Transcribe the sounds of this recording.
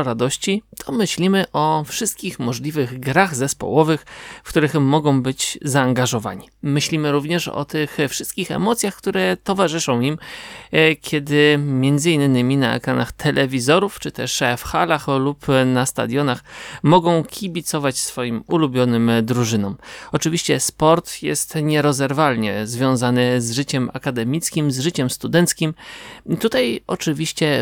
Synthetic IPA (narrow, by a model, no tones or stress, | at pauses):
ɾad̪ɔɕt͡ɕit̪ʰɔmɘɕlʲimɘʔɔfʂɘst̪̚kʲixmɔʐlʲivɘɣɡɾaɣzɛspɔ̰wɔvɘxfkt̪uɾɘxmːɔɡɔ̃w̃bɘd͡ʑzaːŋɡaʐɔva̰ɲimɘɕlʲimɘɾuvɲɛʂɔ̰t̪ɘxfʂɘst̪̚kʲixɛ̰mɔt̪sʲjaxkt̪uɾɛt̪ɔvaʐɘʂɔ̃w̃im | kʲʰɛd̪ɘmʲjɛnd̪zɘinːɘmʲinaɛ̰kɾanaxt̪ʰɛlʔɛvʲizɔɾuft͡ʂɘt̪ɛʂfxalaxlupnast̪a̰d̪ʲjɔnaxmɔɡɔ̃w̃kʲʰibʲit̪sɔvat͡ɕsfɔjimulubʲjɔnɘmd̪ɾuʐɘnɔmɔt͡ʂɘvʲiɕt͡ɕɛspɔɾt̪jɛ̰st̪ɲɛɾɔzɛɾvalɲɛzvʲjɔ̃w̃zanɘzʐɘt͡ɕɛma̰kad̪ɛmʲit̪skʲimzʐɘt͡ɕɛmst̪ud̪ɛnt̪skʲimt̪ut̪ajʔɔt͡ʂɘvʲiɕt͡ɕɛ